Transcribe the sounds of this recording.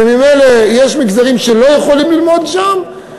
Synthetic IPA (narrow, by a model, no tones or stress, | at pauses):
mimejlejeʃmikzaʁimʃe̞lo̞jeχo̞limlilmo̞d̪ʃam